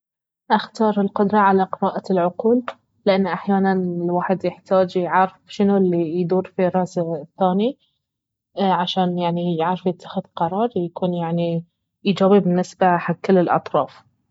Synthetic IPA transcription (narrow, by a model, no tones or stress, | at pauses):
ʔaxt̪ɑːɾˤɪlqʊd̪ɾˤɑʕalaqɪɾɑːʔalʕʊquːlː | ɪʔanːʔaħjaːnanɪlwaːħɪd̪jɪħt̪aːd͡ʒjʕaɾˤɪfʃɪnulːijd̪uːɾfiɾˤɑsθːaːni | ʕaʃaːnjaʕnijɪʕɾɪfjɪt̪ʰːḁxɪðqɑɾˤɑːɾˤjakuːnjaʕni | ʔid͡ʒaːbibɪnːɪsbaħaɡkːɪlːɪlʔɑ̰t̪ˤɾˤɑːf